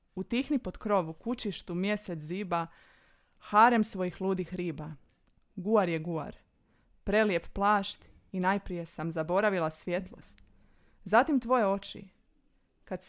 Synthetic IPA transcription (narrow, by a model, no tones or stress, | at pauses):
ut̪ixnipo̞d̪kɾo̞ʋukut͡ʃiʃt̪umje̞set̪ziːba | xaɾemsʋo̞jixlˠuːd̪ixɾiːba | ɡuaɾje̞ɡua̰ɾ | pɾe̞lje̞pplˠaːʃt̪ | inaːjpɾije̞samzabo̞ɾaʋilˠasʋje̞t̪lˠo̞̰st̪ | zat̪imt̪ʋo̞je̞o̞t͡ʃḭ | kad̪s